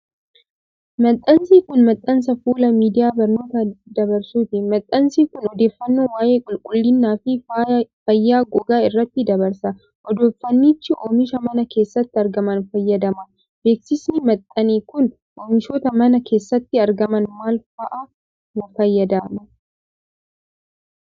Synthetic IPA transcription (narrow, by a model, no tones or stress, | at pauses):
mɐt̪ʼːɐnsiːkʊnmɐt̪ʼːɐns̬ɐfuːlɐmiːd̪ɪjaːbɐɾno̞ːt̪ɐd̪ɐbɐɾsuːt̪ɪmɐt̪ʼːɐnsiːkʊnɔd̪e̞ːfːɐnːoːwaːjeːkʼʊlkʼʊlːɪnːaːfɪfɐjːaːɡɔɡaːɪrːɐt̪ːɪd̪ɐbɐɾsɐ | ʔɔd̪o̞ːfːɐnːiːt͡ʃːɪʔoːmɪʃɐmɐnɐke̞ːsːɐt̪ːɪɐɾɡɐmɐnfɐjːɐd̪ɐmɐ | be̞ːksɪsnɪmɐt̪ʼːɐniːkʊn | ʔoːmɪʃoːt̪ɐmɐnɐkʰe̞ːsːɐt̪ːɪɐɾɡɐmɐnmaːlfɐʔa | wɐfɐjːɐd̪aːmɐ